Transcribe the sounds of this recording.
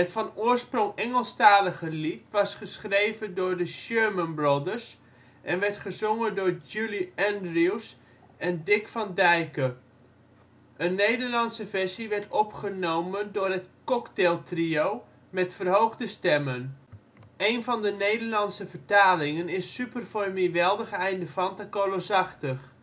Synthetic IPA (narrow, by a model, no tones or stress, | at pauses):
ətfɑnʊːɹsproŋɛŋəlˠstaːləχəlitʋɑsχəsχrejvəndʊːɹdəʃøɹmənbrodəɹs | ʔɛnʋɛɹtχəzɔŋəndʊːɹd͡ʒuliɛndriws | ʔɛndɪkfɑndɛjkə | ʔənːejdəɹlɑnsəvɛɹsiʋɛɹtɔpχənowməndʊːɹɦətkɔktelˠtriow | mɛtfərɦowχdəstɛmən | ejnvɑndənejdəɹlɑnsəvəɹtaːlɪŋənɪsːypərfɔmiʋɛlˠdəχɛjndəfɑntakolosɑχtəχ